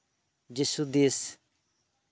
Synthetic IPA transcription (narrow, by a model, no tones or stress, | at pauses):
d͡ʒisud̪is